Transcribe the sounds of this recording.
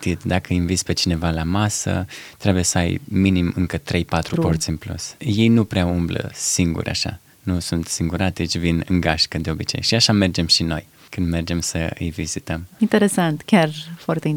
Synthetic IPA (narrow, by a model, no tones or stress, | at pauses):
t̪it̪d̪akəiɱvit̪sʲpe̞t͡ʃine̞valamasə̰t̪ɾe̞buje̞səajminimɨŋkət̪ɾe̞jpat̪ɾupo̞rt̪sʲɨnplṵsje̞jnupɾeaumblə̰siŋɡṵɾʔa̰ʃa̰ | nusunt̪siŋɡuɾat̪t͡ʃʲvinɨŋɡaʃkəd̪e̞o̞bit͡ʃe̞̰jʃiaʃame̞rd͡ʒe̞mʃino̞̰j | kɨnd̪me̞rd͡ʒe̞msə̰ɨ̰jvizit̪əmint̪eɾesãnt̪kʲjaɾfaɾt̪ei